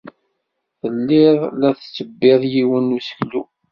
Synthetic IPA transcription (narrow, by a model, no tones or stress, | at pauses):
θəlːɪðˤlæθt͡sːəbːɪðˤjiwənːusə̥çlu